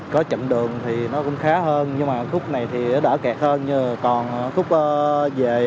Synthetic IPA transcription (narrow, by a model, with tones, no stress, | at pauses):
kɔ˨˦t͡ɕə̰˧˨mɗɨ˨˩əŋt̪ʰi˨˩nɔ˨˦kʊ̰˧˥ŋ͡mxaː˨˦ɦəː˧nɲɨ˧ŋmaː˨˩xʰʊ˦˥k͡p̚na˨˩jt̪ʰi˨˩˨ɗəː˧˩kɛ˨˩k̚həː˧nɲɨ˧˨˩kɔ˨˩nː˨˩xʊ˦˥k͡p̚ʔəː˧˦ve˨˩